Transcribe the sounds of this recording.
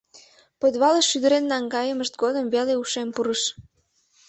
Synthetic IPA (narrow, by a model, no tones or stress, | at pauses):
pod̪βɑləʃːyd̪əɾenːɑŋɡɑjəməʃt̪̚ɡod̪əmveleuʃempuɾəʃ